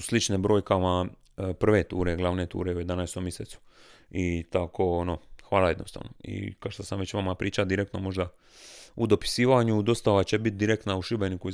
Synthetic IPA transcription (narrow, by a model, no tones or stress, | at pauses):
slit͡ʃnebɾo̞ːjkama | pr̩ʋe̞t̪ṵːɾeɡlaʋnet̪ṵːɾeuje̞d̪anajst̪omjeseːt̪su̥ | it̪akʰoonoxʋaːlaje̞d̪no̞st̪a̰ːʋno̰ḭkaʃt̪asamʋet͡ɕʋamapɾiːt͡ʃad̪iɾekt̪nomo̞ʒd̪a | ud̪o̞pi̥siːʋaɲud̪o̞st̪aʋat͡ɕe̞bit̪̚d̪iɾekt̪nauʃibe̞nikui